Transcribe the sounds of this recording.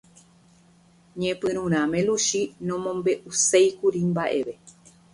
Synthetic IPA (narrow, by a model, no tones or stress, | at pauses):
ɲẽpɨ̃ɾ̃ũɾ̃ãmẽ̞luʃinõmõ̞mbe̞ʔusejkuɾimbaʔe̞ʋe̞